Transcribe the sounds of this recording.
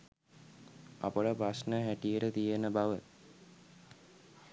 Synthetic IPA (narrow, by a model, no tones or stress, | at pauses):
a̰pəʈəpɾasnəɦæʈijəʈət̪ijənəbaʋə